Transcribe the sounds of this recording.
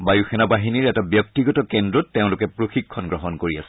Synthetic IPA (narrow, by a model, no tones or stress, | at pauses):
bajuxʰɛnabaɦiniɹɛtabjɔk̚tiɡɔtɔkɛndɹɔtːeʊ̃lʊkɛpɹoxikʰːɔnɡɹɔɦɔnkoɹia̰sɛ̥